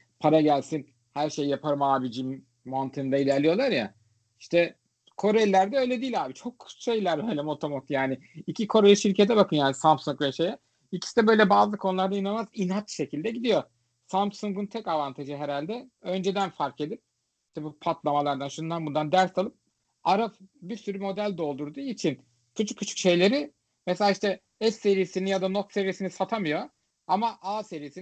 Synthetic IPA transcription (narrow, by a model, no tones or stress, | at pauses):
pʰaɾaɟælʲsin | hæɾʃe̞jːapʰaɾmaːbid͡ʒimː | ant̪ʰɯnd̪ailʲæɾlʲijo̞lˠaɾja̰ | iʃt̪ʰɛ | kʰo̞ɾejlʲæɾd̪ɛø̞jlʲed̪iːlʲaːbit͡ʃʰo̞kʰːu̥sʃejlʲæɾbøjlʲɛmo̞t̪ʰomot̪jaːnɪicʰikʰo̞ɾejʲiʃiɾce̞t̪ʰɛbakʰɯnjaːnisampsuŋk̚ːʃejɛ | ilʲcʰʲi̥si̥d̪ɛbø̞jlʲɛbaːzlˠɯkʰonlˠaɾd̪ainanmazinɦat͡ʃʃe̞cʰilʲd̪ɛɟid̪ijo̞ | sampsuŋɡunt̪ʰɛcavant̪ʰaʒɯɦeɾalʲd̪ɛø̞nd͡ʒed̪ænfaɾke̞d̪ip̚ | iʃt̪ɛbupʰat̪lˠamalˠaɾd̪anʃund̪anbund̪and̪æɾsalˠɯp̚ | aɾafbiɾsyɾymo̞d̪ælʲd̪o̞lˠd̪uɾd̪uːit͡ʃʰin | kʰut͡ʃʰu̥kʰːut͡ʃʰu̥kʃe̞jlʲe̞ɾi | mɛselʲaːiʃt̪ɛ | ɛsːe̞ɾijisinijad̪ano̞t̪se̞ɾijisinisat̪ʰamɯjo̞ | amaʔaːse̞ɾijsi